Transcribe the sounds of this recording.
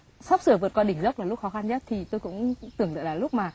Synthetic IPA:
sa˦˥p̚sɨ˧˩əvɨ˨˩ət̚kɔ˧ɗï˧˩ŋzə˦˥wk͡p̚a˨˩lʊ˦˥k͡p̚xɔ˨˦xa˧nɲə˦˥t̚t̪ʰi˨˩t̪o˧jkʊ̰˧˥ŋ͡mt̪ɨ˨˩əŋə̰˧˨laː˨˩lʊ˦˥k͡p̚maː˨˩

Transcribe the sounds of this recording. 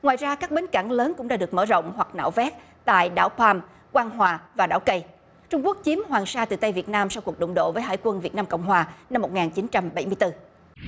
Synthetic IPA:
ŋwaː˨jzaː˧kaː˦˥k̚ɓe˨˦nka˧˩ŋləː˨˦nkʊ̰˧˥ŋ͡mɗaː˧ɗɨ˨˩ək̚məː˧˩zə̰˧˨wŋ͡mɦwa˨˩k̚na̰ː˧˨wvɛ˦˥t̚ | t̪a̰ː˧˨jɗa̰ː˧˩wpaː˧m | kwaː˧nɦwaː˨˩vaː˨˩ɗa̰ː˧˩wkə˧j | t͡ɕʊ˧ŋ͡mku˦˥ək̚t͡ɕi˨˦əmɦwaː˨˩nsaː˧t̪ɨ̰˨˩t̪a˧jvi˨˩ət̚naː˧msa˧wku˨˩ək̚ɗʊ̰˧˨ŋ͡mɗo̰˧˨vəː˨˦jɦa̰ː˧˨jkwə˧nvi˨˩ət̚naː˧mkə̰˧˨wŋ͡mɦwaː˨˩na˧mːo˨˩t̚ŋaː˨˩nt͡ɕi˨˦nt͡ɕa˧mɓa˧˩jmɨ˧jt̪ɨ˧

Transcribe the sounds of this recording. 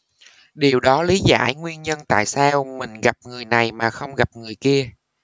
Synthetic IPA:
ɗi˨˩əwɗɔ˨˦li˨˦za̰ː˧˩jŋwi˧ənɲə˧nt̪a̰ː˧˨jsaː˧wmï˨˩ŋ̟ɣa˨˩p̚ŋɨ˨˩əjna˨˩jmaː˨˩xə˧wŋ͡mɣa˨˩p̚ŋɨ˨˩əjki˧ə

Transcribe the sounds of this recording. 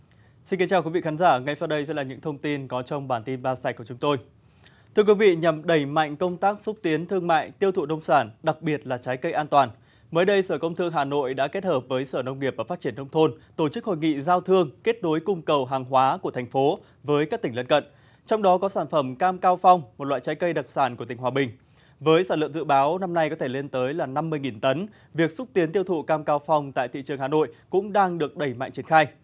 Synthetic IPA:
si˧nki˨˦nt͡ɕaː˨˩wkwi˨˦vḭ˧˨xʰaː˨˦nzaː˧˩ŋa˧jsa˧wɗə˧jsɛ̰˧˥laː˨˩ɲɨ̰˧˥ŋt̪ʰə˧wŋ͡mt̪i˧nkɔ˨˦t͡ɕɔ˧wŋ͡mɓaː˧˩nt̪i˧nɓaː˧saː˧˩jku˧˩t͡ɕʊ˨˦ŋ͡mt̪o˧j | t̪ʰɨ˧əkwi˨˦vḭ˧˨ɲa˨˩mɗə˧˩jma̰˧˨jŋ̟kə˧wŋ͡mt̪aː˦˥k̚su˦˥t̚t̪i˨˦ənt̪ʰɨ˧əŋma̰ː˧˨jt̪i˧əwt̪ʰṵ˧˨nə˧wŋ͡msaː˧˩nɗa˨˩k̚ɓi˨˩ət̚laː˨˩t͡ɕaː˨˦jkə˧jʔaː˧nt̪waː˨˩n | məː˨˦jɗə˧jsəː˧˩kə˧wŋ͡mt̪ʰɨ˧əŋɦaː˨˩no̰˧˨jɗa̰ː˧˥ke˦˥t̚həː˨˩p̚vəː˨˦jsəː˧˩nə˧wŋ͡mŋi˨˩əp̚vaː˨˩faː˦˥t͡ɕi˧˩ə˨nːə˧wŋ͡mt̪ʰo˧nt̪o˧˩t͡ɕɨ˦˥k̚ho̰˧˨jŋḭ˧˨zaː˧wt̪ʰɨ˧əŋke˦˥t̚ɗo˨˦jkʊ˧ŋ͡mkə˨˩wɦaː˨˩ŋɦwaː˨˦ku˧˩ət̪ʰɛ˨˩ŋ̟fo˨˦ | vəː˨˦jkaː˦˥k̚t̪i˧˩ŋ̟lə˧nkə̰˧˨n | t͡ɕɔ˧wŋ͡mɗɔ˨˦kɔ˨˦saː˧˩nfə˧˩mkaː˧mkaː˧wfɔ˧wŋ͡mmo˨˩t̚lwa̰ː˧˨jt͡ɕa˨˦jkə˧jɗə˨˩t̚saː˧˩nku˧˩ət̪ï˨˩ŋ̟ɦwaː˨˩ɓï˨˩ŋ̟ | vəː˨˦jsaː˧˩nlə̰˧˨əmzɨ̰˧˨ɓaː˨˦wna˧mna˧jkɔ˨˦t̪ʰe˧˩le˧nt̪əː˨˦jlaː˨˩na˧mːɨ˧əjŋi˨˩nt̪ə˨˦n | vi˨˩ək̚sʊ˦˥k͡p̚t̪i˨˦ənt̪i˧əwt̪ʰṵ˧˨kaː˧mkaː˧wfɔ˧wŋ͡mt̪a̰ː˧˨t̪ḭ˧˨t͡ɕɨ˨˩əŋhaː˨˩no̰˧˨jkʊ̰˧˥ŋ͡mɗaː˧ŋɗɨ˨˩ək̚ɗə˧˩jma̰˧˨jŋt͡ɕi˧˩ə˨ŋxaː˧j

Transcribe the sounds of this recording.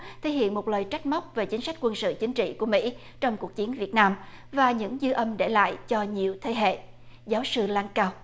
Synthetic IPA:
t̪ʰe˧˩˦ɦḭ˧˨ənmo˨˩t̚ləː˨˩jt͡ɕa˦˥jk̟̚m˦˥wk͡p̚ve˨˩t͡ɕi˨˦ŋ̟sa˦˥k̟kwə˧nsɨ̰˧˨t͡ɕï˨˦ŋ̟t͡ɕḭ˧˨ku˧˩əmḭ˧˥ | t͡ɕɔ˧wŋ͡mku˨˩ək̚t͡ɕi˨˦ənvi˨˩ət̚naː˧mvaː˨˩ɲɨ̰˧˥ŋzɨ˧ʔə˧mɗe˧˩la̰ː˧˨jt͡ɕɔ˧ɲi˨˩əwt̪ʰe˨˦ɦḛ˧˨ | zaː˨˦wsɨ˧laː˧ŋkaː˧w

